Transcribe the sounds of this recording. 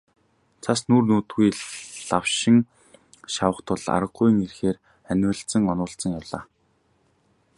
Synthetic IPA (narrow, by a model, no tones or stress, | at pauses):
t͡sʰasnuːrnuːt̪ɡujɮawʃɪ̆ŋ | ʃawə̆χt̪ʰʊɮa̰ɾə̆ɢuj̆ŋirxeːr | ænʲwɘ̆ɬt͡sə̆ŋɔnʊːɬt͡sə̆ŋjawɮa̰ː